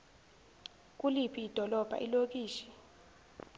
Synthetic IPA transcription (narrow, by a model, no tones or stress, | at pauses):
k̬ʼulipʰiːd̥ʱɔlɔb̥ʱa̰ʔilok̬iːʃi̥